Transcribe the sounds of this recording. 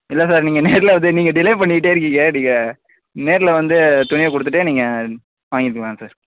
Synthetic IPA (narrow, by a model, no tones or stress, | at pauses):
ɪlːɐsaːɾniːŋɡɐneːɾɪlɐʋɐnd̪ɯniːŋɡɐɖɪlɐjpɐɳːɪkɪʈ̬ːeːɪɾɯk̬ːiːŋɡɐɐɽiːŋɡɐ | neːɾɪlʋɐnd̪ɯt̪ʊɳɪʋɐkɔɽɯt̪ːɯʈːeniːŋɡɐ | ʋaːŋɡɪɾɯkʋãːŋɐsaːɾ